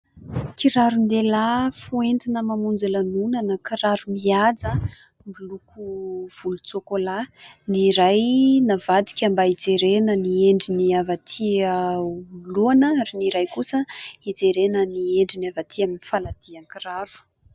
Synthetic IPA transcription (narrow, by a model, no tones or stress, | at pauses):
kiɾaɾund̪elafuent̪inəmamund͡zalanunanəkiɾaɾumiad͡zə | mbulukʰuv̥ulut͡sokolaniɾajnavad̪i̥kʲəmbaid͡zeɾenənieɳɖ͡ʐiniavat̪ʰiəuloanəaɾiniɾajkusəid͡zeɾenənieɳɖ͡ʐinavat̪ʰiaminifalad̪̥iaŋkiɾaɾu̥